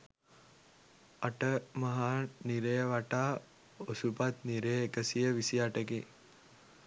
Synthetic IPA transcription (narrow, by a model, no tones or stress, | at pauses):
aʈəmaɦaːniɾejəʋaʈaː | osupat̪niɾejːkəsijəʋisiaʈəɡe